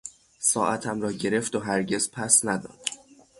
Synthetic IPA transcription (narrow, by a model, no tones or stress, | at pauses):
sɒ̰ːʔæt̪ʰæmɾɒːɟe̞ɾe̞ft̪oɦæɾɟe̞z̥pʰæsnæd̪ɒ̰ːd̪̥